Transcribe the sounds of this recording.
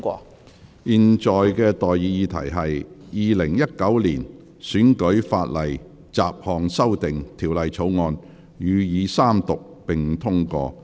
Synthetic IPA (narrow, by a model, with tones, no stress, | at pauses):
kɔː˧ | jiː˨nt͡sɔː˨jkɛː˧t̪ɔː˨jːiː˨˧jiː˨˧t̪ʰɐ̰˨˩jɦɐ˨jjiː˨˧lɪ˨˩ŋjɐ˥t̚kɐ˨˥wliː˨˩n | syː˨˥nkɵ˨˥ɥfaː˧t̚lɐ˨˩j | t͡saː˨p̚hɔː˨ŋsɐ˥wt̪ɪ˨ŋt̪ʰiː˨˩wlɐ˨jt͡sʰo˨˥wŋɔː˧n | jyː˨˧jiː˨˧saː˥mt̪ʊ˨k̚pɪ˨˩ŋt̪ʰʊ˥ŋkɔ̰ː˧